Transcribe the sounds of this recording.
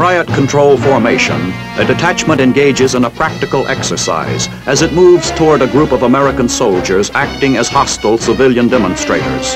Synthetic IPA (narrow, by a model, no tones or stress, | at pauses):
pʰɹaɪɨt̚kʰntʰɹ̥oʊlˠfɔɹmeɪʃɨ̰̃n | ʔɨdɨtʰæt͡ʃmə̃ñtɨ̃nɡeɪd͡ʒɨzɨ̃nəpʰɹ̥æk̚tɨkl̩ˠɛksə˞sa̰ɪz | ʔɨzɨt̚muvz̥tʰɔɹɾɨɡɹupʌvəmɛɹɨkə̃n̩soʊlˠd͡ʒə˞zæk̚tɪ̃ŋɨz̥hɑstl̩ˠsəvɪlˠjɨ̃ndɛmə̃nstɹ̥eɪɾə̰˞z̥